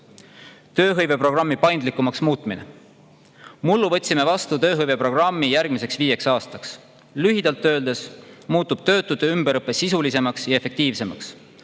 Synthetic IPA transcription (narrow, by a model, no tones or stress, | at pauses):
t̪ø̞ːɦɤjve̞pro̞ɡrɑmːipɑjnd̪likːˑumɑksmuːt̪ˑmine | mulːuvɤ̞t̪ʲsime̞vɑst̪ut̪ø̞ːɦɤjve̞pro̞ɡ̥rɑmːijærɡ̥mise̞ksviːje̞ksɑːst̪ɑks | lyɦid̪ɑlt̪ːø̞ːld̪̥e̞smuːt̪ːub̥̚t̪ø̞ːt̪ːˑud̪eymbeɾɤpːˑesisulise̞mɑksjɑe̞fe̞k̚t̪iːvse̞mɑ̰ks